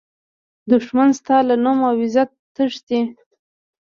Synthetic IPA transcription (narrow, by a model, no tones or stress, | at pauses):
d̪ʊʂmanst̪ɑlanumawɪzat̪ː | əʂd̪i